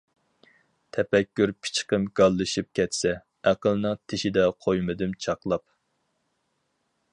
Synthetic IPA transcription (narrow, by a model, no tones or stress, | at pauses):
t̪ʰɛpɛkʲːyɾpʰɪ̥t͡ʃqəmɡ̥ɑlˠːɨʃip̚kʲʰɛt̪sɛ | æqəlˠnɨŋt̪ʰɪʃid̪ɛqʰojmɨd̪ɨmt͡ʃʰɑqlˠɑp̚